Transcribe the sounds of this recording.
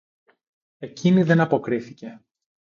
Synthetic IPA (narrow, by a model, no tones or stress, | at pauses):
e̞ciniðe̞nɐpo̞kɾiθice̞